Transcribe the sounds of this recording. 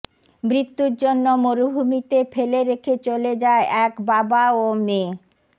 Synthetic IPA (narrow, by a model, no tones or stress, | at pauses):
mɾit̪ːuɾd͡ʑonːomoɾubʱumit̪efeleɾekʰet͡ɕoled͡ʑaeʔɛkbabaome